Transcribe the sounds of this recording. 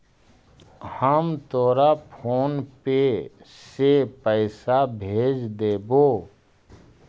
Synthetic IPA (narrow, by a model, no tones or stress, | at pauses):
həmt̪oːɾapʰoːnpesepəɪsabʱeːd͡ʒd̪eːboː